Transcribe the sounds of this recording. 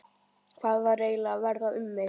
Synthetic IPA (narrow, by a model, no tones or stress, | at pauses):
kʰvaːðvareːjlaːvɛɾðaʏmːe